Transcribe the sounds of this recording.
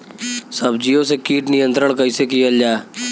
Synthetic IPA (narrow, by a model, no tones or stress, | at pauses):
səbd͡ʒiːoːs̬eːkiːʈnɪjə̃nt̪ɾəɳkəiːseːkiːəld͡ʒaːe